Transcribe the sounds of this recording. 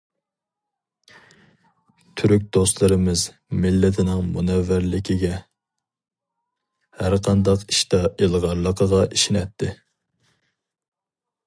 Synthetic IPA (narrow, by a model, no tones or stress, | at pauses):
t̪ʰyɾyk̚ʲd̪oslˠɨɾɨmɪz | mɪlːɪt̪ʰɪnɪŋmunɛvːæɾlɪkʲʰiɡʲɛ | hæɾqʰɑnd̪ɑqiʃt̪ɑʔelˠʁɑɾlˠəqʰəʁɑʔiʃinɛt̪ʰːɪ